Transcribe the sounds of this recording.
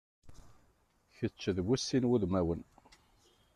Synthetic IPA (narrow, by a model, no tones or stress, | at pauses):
çət͡ʃːəðwusːinwuðmæwən